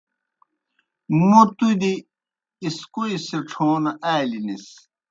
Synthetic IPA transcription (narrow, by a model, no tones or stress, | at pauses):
mot̪ud̪iː | skuiseʈ͡ʂʰoːnɐaːlinis